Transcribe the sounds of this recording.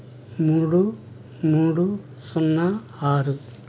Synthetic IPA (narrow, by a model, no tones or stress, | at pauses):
muːɽu | muːɽu | sɔnːɐ | aːɾu